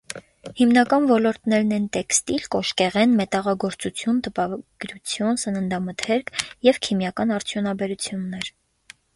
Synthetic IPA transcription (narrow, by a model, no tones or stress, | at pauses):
himnɑkɑnvɔlɔɾt̪nɛɾnɛnt̪ɛkst̪ilkɔʃkɛʁɛnmɛt̪ɑʁɑɡɔɾt͡sut͡sʰjunt̪əpɑɡ̥ɾut͡sʰjɔnsənənd̪ɑmət̪ʰɛɾkʰjɛvkʰimjɑkɑnɑɾt͡sʰjɔnɑbɛɾut͡sʰjunːɛɾ